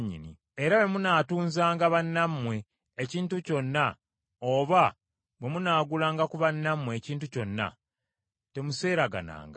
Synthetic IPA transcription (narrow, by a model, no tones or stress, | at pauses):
ɲːḭnḭ | eɾawe̞munaːtuːnzaːŋɡaβanːamːwe̞ː | ciːntuco̞nːa | oːβa | we̞munaːɡulaːŋɡakuβanːamːwe̞ːciːntuco̞nːa̰ | te̞muse̞ːɾaɡa̰na̰ːŋɡa